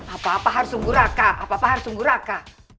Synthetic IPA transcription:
apaːpaɦaɾusuŋɡuɾakaapaapaɦaɾusuŋɡuɾaka

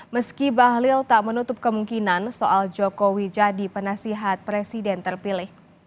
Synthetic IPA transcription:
məskibaɦlɪlt̪aʔmənut̪ʊp̚kəmuŋkinansoʔald͡ʒokowid͡ʒadipənasiɦat̪̚pɾesidɛnt̪ərpilɪh

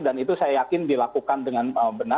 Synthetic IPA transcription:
danit̪usajajakɪndilakukandəŋanəbəna

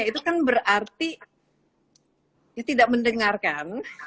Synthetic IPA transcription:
ait̪ukanbəɾart̪i | jat̪idaʔ̚məndəŋarkan

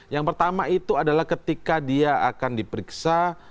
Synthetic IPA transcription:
jaŋpərt̪amait̪uadalahkət̪ikadiaʔakandipəɾiksa

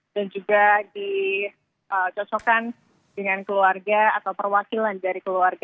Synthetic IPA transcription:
d̥and͡ʒuɡadi | ʔət͡ʃɔt͡ʃɔkan | dəŋankəluarɡaat̪awpərwakilandaɾikəluarɡa

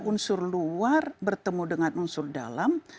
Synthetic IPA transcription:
unsʊrluarbərt̪əmudəŋanʔunsʊrda̰lam

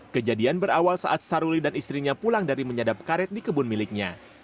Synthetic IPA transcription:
kəd͡ʒadianbəɾawalsa̰ʔat̪̚saɾulidanist̪ɾiɲapulaŋdaɾiməɲadap̚kaɾɛt̪̚dikəbʊnmilɪk̚ɲa

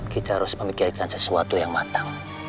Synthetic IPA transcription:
kit̪aaɾʊsməmikɪrkansəsuat̪ujaŋmat̪aŋ

